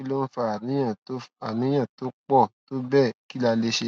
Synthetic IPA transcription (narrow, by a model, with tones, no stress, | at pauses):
i˦lo˦n̩˦fa˧˨nĩ˨˦ã˦˨˦a˨nĩ˨˦j̃ã˦˨to˦k͡pɔ˦˨to˦bɛ˦˨ki˦la˧le˦ʃe˧